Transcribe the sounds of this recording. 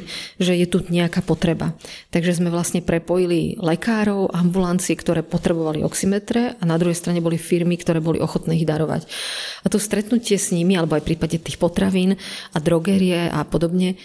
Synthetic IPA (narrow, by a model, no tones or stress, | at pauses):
ʒɛjɛt̪uɲɛakaːpɔt̪ɾɛba̰t̪aɡʒɛzmɛʋlasɲɛpɾɛpɔjililɛkaːɾɔʊʔambulant͡siɛkt̪ɔɾɛːpɔt̪ɾɛbɔʋaliɔ̰ksimɛt̪ɾɛʔanad̪ɾuɦɛjst̪ɾaɲɛbɔlifiɾmikt̪ɔɾɛːbɔlḭʔɔxɔt̪nɛːiɣd̪aɾɔʋa̰cat̪ɔst̪ɾɛt̪nucɪɛzɲimialɛbɔajfpɾiːpaɟɛt̪ixpɔt̪ɾaʋiːnad̪ɾɔɡɛɾiɛʔa̰pɔd̪ɔbɲɛ